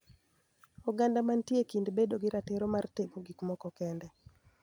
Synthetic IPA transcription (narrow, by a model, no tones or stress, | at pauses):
ɔɡandamantjekindbedoɡɪɾateɾomarteɡoɡikmɔkɔkɛndɛ